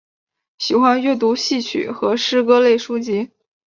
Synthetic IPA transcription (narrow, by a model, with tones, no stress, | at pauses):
ɕi˨˩xwa˥nɥɛ˥˩t̪̬u˧˥ɕi˥˩t͡ɕʰy̰˨˩˦xɤ˧˥ʂɻ̩˥kɤ˥le˥˩ɪʂu˥t͡ɕi˧˥